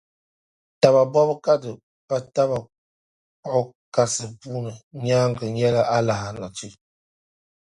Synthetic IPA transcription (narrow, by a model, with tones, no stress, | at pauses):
ta˨ba˨bɔ˦bə˦ka˦də˨ | pa˦ta˦ba˨ | k͡pɔ˦ | ka˦sə˨pu˦nə˨ɲa˦ŋɡə˨ɲɛ˦la˦ʔa˦la˨ɦa˨˦nɔ˨t͡ʃi˦